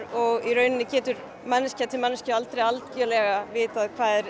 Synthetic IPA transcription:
ɔɣiɾœːɥnɪnɪcɛːt̪ʏɾ | mɛnːɪscat̪ʰɪlmɛnːɪscaalt̪ɾejalt̪cœːlɛɣavɪːt̪aðkʰv̥aːðɛɾ

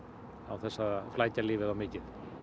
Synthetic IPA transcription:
a̰wθɛsːaflaːjcaliːvɪðawmɪːcɪð̥

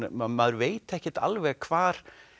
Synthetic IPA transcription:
mamaðɾveːjt̪ɛhcɪt̪a̰lvɛɣkʰvaːɾ̥

